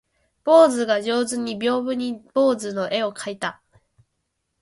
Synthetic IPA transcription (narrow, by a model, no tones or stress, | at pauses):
b̥o̞ːzɨɡaʑo̞ːzɨɲ̟ːibʲo̞ːbɯ̟ɲ̟ib̥o̞ːzɨno̞ʔe̞o̞kʰait̪a